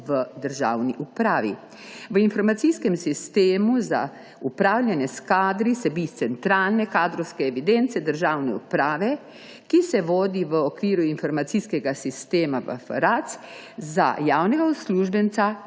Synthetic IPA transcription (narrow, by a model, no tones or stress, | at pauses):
ʋəd̪əɾʒa̰ːwniʔupɾaːʋḭ | ʋəinfɔɾmat̪siskɛmsist̪eːmuza̰ | upɾaːwlʲjɛnɛskaːd̪ɾisɛbist̪sɛnt̪ɾaːlnɛkaːd̪ɾɔwskɛɛʋid̪ent̪sɛd̪əɾʒaːwnɛupɾaːʋɛ | kisɛʋoːd̪iʋəɔkʋiːɾuinfɔɾmat̪siːskɛɡasist̪eːmaʋə̰fə̰ɾat̪s | za̰jaːwnɛɡaɔsluːʒbɛnt̪sa